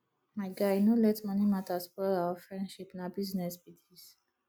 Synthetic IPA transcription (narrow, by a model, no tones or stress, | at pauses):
majɡainulɛt͡sʼmɔnimat̪ʼaspɔɛɾaɔfɾɛnʃipʼnabiznɛsbit̪ʰis